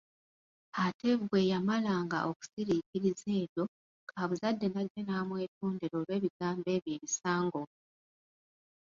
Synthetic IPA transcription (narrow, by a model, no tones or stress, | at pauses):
atʰe̞vuɡwe̞jamalaːŋɡa̰ʔo̞ku̥siɾiciɾize̞ːβjo̞ | kʰaːβuzadːe̞naɟːe̞naːmwe̞ːtuːndeɾo̞ːlwe̞ːβiɡaːmbe̞ːβje̞ːβisaːŋɡo̞